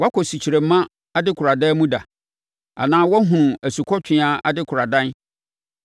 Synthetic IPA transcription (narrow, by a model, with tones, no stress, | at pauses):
wa˦kʰɔ˨si˨t͡ɕʰi˨ɾe˨mã˦ | a˦dɪ˦kʰʊ˨ɾa˨dɛ˦mũ˦da˨ | a̰˨nãː˦wɔ˦ɦʊ̃˨æ˨su˨kʰɔ˦tʰɪ̃˦a˨a˨dɪ˦kʰʊ˨ɾa˨dã˦n